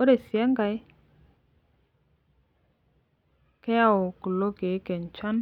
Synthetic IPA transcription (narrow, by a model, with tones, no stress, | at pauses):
o˦ɾe˨si˨ɛ˦ŋɡa˨j | kɛ˦a˦˨o˨ku˨lo˦ke˨˦ke˨n˨t͡ʃa˦n